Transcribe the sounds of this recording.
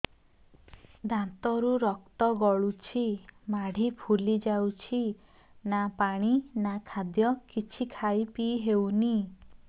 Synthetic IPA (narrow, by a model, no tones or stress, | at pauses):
d̪ãnt̪ɔɾuɾɔkt̪ɔɡɔɭut͡ʃʰimaɽ̤ʱipʰulid͡ʒawt͡ʃʰi | napaɽ̃inakʰad̪jɔkit͡ʃʰikʰaipiɦewni